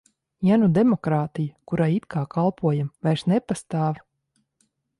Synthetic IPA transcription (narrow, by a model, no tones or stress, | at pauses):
janud̪ɛmɔkɾaːt̪ijakuɾaːit̪kaːkʰalˠpʰuɔjamvajɾʃnɛpast̪aːv